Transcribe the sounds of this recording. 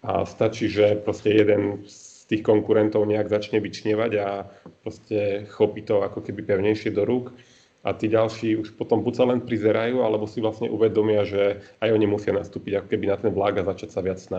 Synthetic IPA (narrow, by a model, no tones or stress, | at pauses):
a̰st̪at͡ʃiːʒɛpɾɔscɛjɛd̪ɛnst̪iːxkɔŋkuɾɛnt̪ɔʊɲɛaɡzat͡ʃɲɛʋit͡ʃɲɛʋaɟapɾɔscɛxɔpit̪ɔakɔkɛbipɛʊɲɛjʃɪɛd̪ɔɾuk | ʔa̰t̪iːɟalʃiːuʃpɔt̪ɔmbucsalɛnpɾizɛɾajuːalɛbɔsivlasɲɛ̰ʔuʋɛd̪ɔmɪaʒɛajɔɲimusɪanast̪uːpiɟakɔ̥kɛbinat̪ɛnblaɡazat͡ʃacsaʋɪat͡ssna